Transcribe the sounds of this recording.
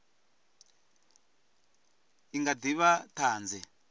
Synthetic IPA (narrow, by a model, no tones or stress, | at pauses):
iŋɡadiβataːnd͡zɛ